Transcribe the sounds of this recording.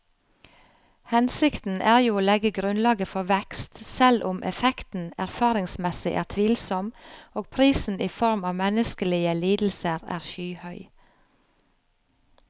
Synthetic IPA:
hɛnsɪkt̪n̩ʔæːʁjuːoːlɛɡəɡɾʉnlɑːɡəfɔʋɛkst̪sɛlʔʊmʔɛ̰fɛkt̪n̩æɾfɑːɾɪŋsmɛsɪ̰ʔæːʁt̪ʰʋiːlsɔmoːɡ̚pʰɾiːsn̩iːfɔɾmɑːʋmɛnəskəlɪəliːd̪l̩səɾæ̰ːʁʃyːhœʏ

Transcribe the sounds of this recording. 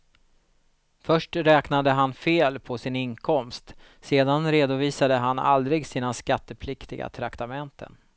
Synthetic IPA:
fœʂʈɾɛːknad̪əɦanfeːlpʰɔsɪnɪnkʰɔmst̪ | seːd̪anɾeːd̪ʊviːsad̪əɦana̰ld̪ɾɪɡsiːnaskat̪ːəpʰlɪkt̪ɪɡa̰t̪ʰɾakt̪amɛnt̪ʰə̰n

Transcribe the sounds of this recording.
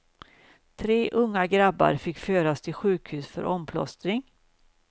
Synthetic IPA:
t̪ʰɾeːʔɵŋːaɡɾabːa̰ɾfɪkːføːɾast̪ʰɪlɧʉ̟ːkhʉ̟ːsfœ̰ɾʔɔmpʰlɔ̰st̪ɾɪŋ

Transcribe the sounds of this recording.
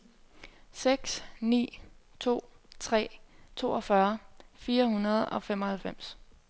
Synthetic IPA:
seɡ̥snḭːt͡sʰo̝̰ːt͡sʰʁɛ̰ːt͡sʰo̝ːɒfɶɐfiːɐhunɐð̞ˠɒ̽fem̰ɒ̽hælfem̰s

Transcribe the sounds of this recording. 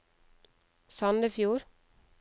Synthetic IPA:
sɑnd̪əfjuːɾ

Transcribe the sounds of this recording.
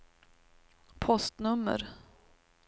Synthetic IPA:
pʰɔst̪nɵmːə̰ɾ

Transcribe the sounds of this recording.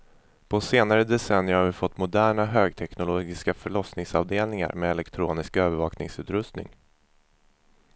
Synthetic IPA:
pʰɔseːnaɾəd̪ɛsɛnjəɾhaɾvɪfɔt̪ːmʊd̪æːɳaɦøːɡ̚t̪ʰɛknʊloːɡɪskafœɭɔsnɪŋsɑvd̪eːlnɪŋa̰ɾmɛɛlɛkt̪ʰɾoːnɪskøːvəɾvɑːknɪ̰ŋsʉ̟ːt̪ɾɵst̪nɪ̰ŋ

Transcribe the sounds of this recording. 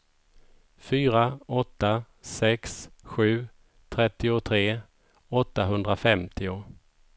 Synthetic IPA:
fyːɾaɔt̪ːa | sɛksɧʉ̟ː | t̪ʰɾɛt̪ːɪʊt̪ʰɾeː | ɔt̪ːaɦɵnd̪ɾafɛmt̪ʰɪʊ

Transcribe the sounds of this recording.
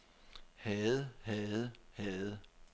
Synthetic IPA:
hɛːð̩ˠhɛð̩ˠhɛð̩ˠ

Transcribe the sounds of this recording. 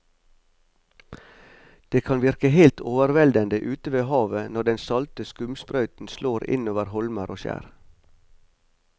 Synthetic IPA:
d̪̥eːkʰɑnʋɪɾkəhelt̪ʰoːʋəɾʋɛld̪ənd̪əʔʉːt̪əʋeːhɑːʋənɔɖɛnsɑlt̪əskʉmspɾœʉt̪n̩sloːɾɪ̰noːʋəɾhɔlməɾʔoːʃæ̰ːɾ

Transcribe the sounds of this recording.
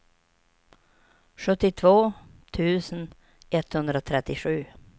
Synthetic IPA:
ɧɵt̪ːɪt̪ʰvoːt̪ʰʉ̟ːsən | ʔɛt̪hɵnd̪ɾat̪ʰɾɛt̪ːɪɧʉ̟ː

